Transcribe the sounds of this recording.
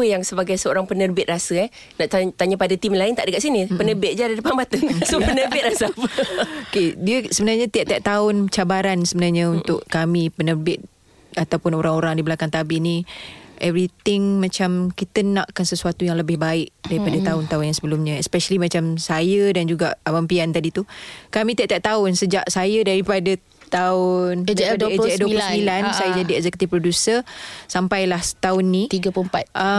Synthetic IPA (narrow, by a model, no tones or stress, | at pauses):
pəjaŋsəbaɡajsəoɾaŋpənərbɪt̪̚rasəɛh | naʔt̪at̪aɲəpadat̪imlaɪnt̪aʔdəkaʔsinipənəbɪt̪̚d͡ʒadadəpabat̪əŋsopənərbɪt̪̚rasapəokediəsəbənarɲat̪iaʔ̚t̪iaʔ̚t̪aʊnt͡ʃabaɾansəbənarɲaunt̪ʊʔkamipənərbɪt̪̚ | at̪awpʊnoɾaŋoɾaŋdibəlakant̪abɪniʔɛvɾit̪ɪŋmãt͡ʃamkit̪ənãʔkansəsuat̪ujaŋləbɪhbaɪʔdaɾipadat̪aʊnt̪aʊnjaŋsəbəlumɲə̃ɛspɛʃəlimãt͡ʃamsajədand͡ʒuɡaʔabampiant̪adit̪ukamĩt̪iaʔt̪aʔ̚t̪aʊnsəd͡ʒaʔsajədaɾipadə | t̪aʊndduəasəmbilansajad͡ʒadiɛk̚sɛku̥t̪ifpɾodusəsampajlaht̪aʊnːit̪iɡəpmpat̪̚a